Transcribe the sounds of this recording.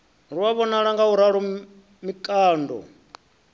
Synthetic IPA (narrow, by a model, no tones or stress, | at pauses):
ɾuwaβɔnaɺaŋɡauɾaɺɔ | mikʼaːndɔ̰